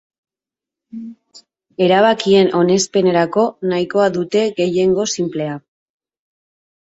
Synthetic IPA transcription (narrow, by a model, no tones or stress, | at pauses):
e̞ɾaβ̞akie̞nʔo̞ne̞spe̞ne̞ɾako̞naiko̞aðut̪e̞ɣe̞je̞ŋɡo̞simple̞a